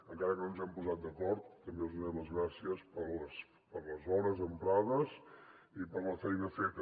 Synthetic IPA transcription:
əŋkaɾəkənonzɛmpuzat̪̚d̪əkɔɾt̪ːəmbeuzðunɛmləzɣɾasiəspələs | pəɾləzɔɾəzəmpɾaðəs | ipəɾləfɛjnəfet̪

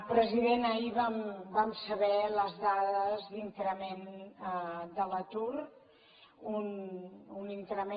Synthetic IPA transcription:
pɾəziðenəiβambamsəβɛləzðaðəzðint̪ɾəmenəd̪ələt̪uɾ | ununint̪ɾəme

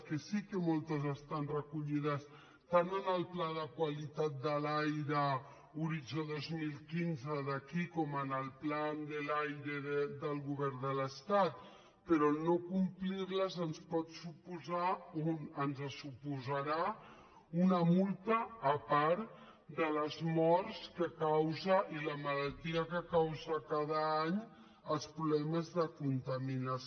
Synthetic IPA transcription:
kesikemolˠt̪əzəst̪anrəkuʎiðəs | t̪anənəlˠplaðəkwalit̪at̪̚d̪əlajɾə | uɾid͡ʒoðozmilˠkinzəðəkikɔmənəlˠpland̪əlajɾeðəd̪əlˠɣuβɛɾnd̪ələst̪at̪̚ | pəɾɔnokumplirləzənspɔt̪supuzaonənzəsupuzəɾa | unəmulˠt̪əːpaɾ | d̪ələzmɔɾskəkawzəʔiləməlalˠt̪iəkəkawzəkaðəaɲ | əlˠspɾulɛməzðəkunt̪əminə

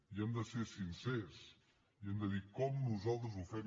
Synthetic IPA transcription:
iɐ̃nd̪ɐseɾsĩnsɛɾs | iɐ̃nd̪ɐðiɾkɔmunuzalˠt̪ɾuzufɛm

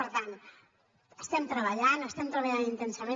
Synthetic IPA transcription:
əɾt̪an | əst̪ɛmt̪ɾəβəʎanəst̪ɛmt̪ɾəβaʎanint̪ənsəmẽ

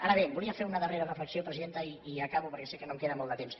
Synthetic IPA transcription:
aɾəβ̞ebuliəfeunəðəreɾərəfləksiopɾəziðent̪əiiəkaβupəɾkɛsekːənomkeðəmolˠd̪ət̪ems

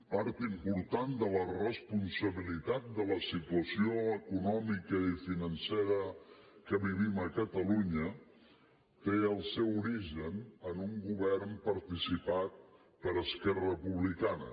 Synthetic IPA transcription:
paɾt̪impuɾt̪and̪ələrəspunsəβilit̪at̪̚d̪ələsit̪uəsioəkunɔmikəifinənseɾə | kəβiβiməkət̪əluɲə | t̪eəlˠsɛwuɾiʒənənuŋɡuβɛrmpəɾt̪isipat̪̚ | pəɾəskɛrəpuβlikanə̰

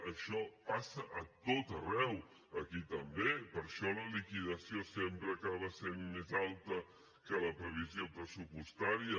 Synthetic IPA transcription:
əʃɔpasəʔət̪ot̪ərɛw | əkit̪əmbepəɾʃɔləlikiðəsiosempɾəːkaβəsenmezalˠt̪ə | kələpɾəβ̞iziopɾəsupust̪aɾiə

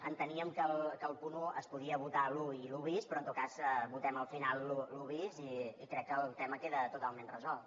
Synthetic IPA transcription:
ənt̪əniəmkəlˠkəlˠpunuə̰spuðiəβut̪aluiluβispɾɔnt̪ot̪̚kazβut̪ɛməlˠfinalˠːuluβiziːkɾɛkːəːlˠt̪ɛməkeðət̪ut̪alˠmenrəzɔlˠt̪

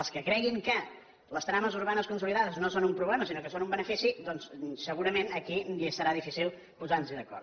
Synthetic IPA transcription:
əlˠskəkɾɛɣiŋkə | ləst̪ɾaməzuɾβanəskunsuliðaðəznosonumpɾuβlɛməsinokəsonumbənəfisid̪ɔnssəɣuɾəmenəkiiəsəɾaðifisilˠ | puzanziðəkɔ̰ɾ

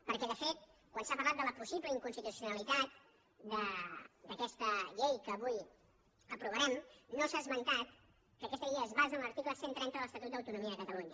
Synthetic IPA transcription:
pəɾkɛðəfet̪kwansapəɾlat̪̚d̪ələpusiβləiŋkunst̪it̪usiunəlit̪at̪̚ | d̪əd̪əkɛst̪əʎejkəːβuj | əpɾuβ̞əɾɛmnosazmənt̪at̪ | kəːkɛst̪əʎejəːzβazənləɾt̪ikləsent̪ɾɛnt̪əðələst̪ət̪ut̪d̪əwt̪unumiəəkət̪əluɲə

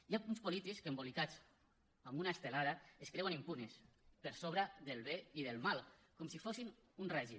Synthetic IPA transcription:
jaunspolit̪ikskembolikat͡s | ambunaest̪elaðaeskɾewanimpunespəɾsoβ̞ɾaðelˠβeiðelˠmalˠkɔmsifosin | unrɛʒi

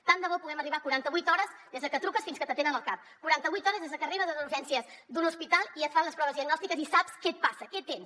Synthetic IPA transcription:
t̪and̪əβɔpuɣɛməriβakuɾant̪əβujt̪ɔɾəzðezðəkət̪ɾukəsfinskət̪ət̪enənəlˠkap̚kuɾant̪əβujt̪ɔɾəzðezðəkəriβəzəðulʒɛnsiəz | d̪unuspit̪alˠiət̪fanləspɾɔβəzðiəɡnɔst̪ikəzisapskɛt̪̚pasəkɛt̪ens

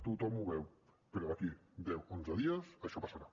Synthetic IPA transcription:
t̪ut̪ɔmuβɛw | peɾɔakid̪ɛwonzəðiəsaʃɔpasaɾa

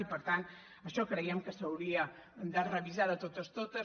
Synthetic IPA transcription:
ipəɾt̪ant̪ | əʃɔkɾəiəmkəsəwɾiə | d̪ərəβizaðət̪ot̪əst̪ot̪ə

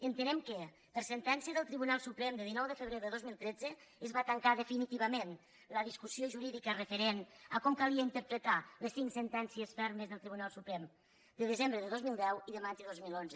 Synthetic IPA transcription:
ənt̪ənɛmkə | pəɾsənt̪ɛnsiəðəlˠt̪ɾiβunalˠsupɾɛmd̪əðinɔwðəfəβɾeðəðozmilˠt̪ɾɛd͡zəəzβat̪əŋkaðəfinit̪iβəmen | ləðiskusioʒuɾiðikərəfəɾenəkɔmkalˠiəint̪əɾpɾət̪aləsːiŋksənt̪ɛnsiəsfɛɾməzðəlˠt̪ɾiβunalˠsupɾɛm | d̪əðəzembɾəðəðozmilˠd̪ɛwiðəmad͡ʒəðozmilˠonzə

